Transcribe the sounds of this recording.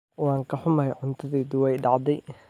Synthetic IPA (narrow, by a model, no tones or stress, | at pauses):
wɑːŋkʰɐħʊmaːjʕʊnt̪ʰɐðɛːd̪ʊwɛjɖɑʕd̪ɛj